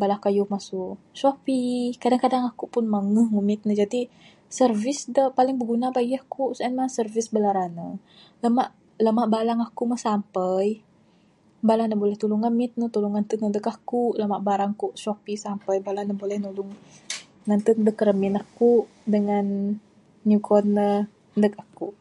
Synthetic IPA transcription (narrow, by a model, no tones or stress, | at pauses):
balahkajuhmasu | ʃopikadaŋkadaŋakuʔpʊnmaŋuhŋəmɪt̪̚nəd͡ʒadi | sərvɪsdəpalɪŋbəɡunabajahkuʔsəənmasərvɪsbəlaɾanə | ləmaʔ | ləmaʔbalaŋakuʔmasampəj | balanəbolɛht̪uluŋəmɪt̪̚nət̪uluŋant̪unədəkakuʔləmaʔbaɾaŋkuʔsɔpisampəjbalanəbolɛhnulʊŋ | nant̪udəkəɾəmɪnahkuʔ | dəŋan | ɲukɔnːə | əndəkakuʔ